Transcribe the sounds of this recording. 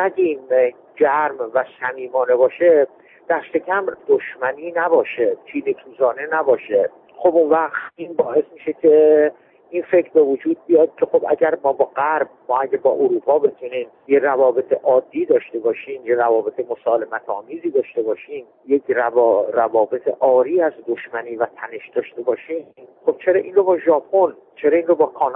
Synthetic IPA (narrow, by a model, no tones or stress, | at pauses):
æɟin | d͡ʒæɾmvæsæmiːmɒːne̞bɒːʃe | d̪̥æɾst̪e̞cʰæmd̪̥oʃmæniːnæbɒːʃet͡ʃʰiːd̪et̪ʰuːzɒːne̞næbɒːʃe | xo̞bunvæɣt̪iːnbɒːe̞smiʃecʰe̞ | ʔinfe̞cʰɾbe̞vod͡ʒuːd̪̚bijɒd̪̥̚cʰe̞xobæ̰ɟæɾmɒːbɒːɢæɾb̚mɒːæɟʲæbɒːʔoɾuːpʰɒːbe̞t̪ʰuniːm | jerævɒːbe̞t̪ʰeʔɒːd̪ːiːd̪ɒːʃt̪e̞bɒːʃiːmjeɾævɒːbe̞t̪ʰemo̞sɒːle̞mæt̪ʰɒːmiːziːd̪ɒːʃt̪ebɒːʃiːm | jecʰræɾævɒːbe̞t̪ʰeʔɒːɾiːæzd̪oʃmæniːvæt̪ʰæne̞ʃd̪ɒːʃt̪e̞bɒːʃiːxob̥̚t͡ʃʰe̞ɾɒːʔiːnɾobɒːʒɒːpʰon | t͡ʃʰe̞ɾɒːinrobɒːkʰɒːn